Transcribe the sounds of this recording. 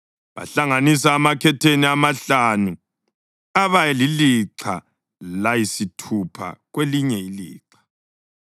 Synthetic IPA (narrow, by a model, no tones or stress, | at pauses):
βa̰ɬaŋanisaːmakʰɛtʰeniamaɬanu | aβajɛliliǁʰa̰ | lajisitʰupʰa̰ɣweliɲɛilḭːǁḁ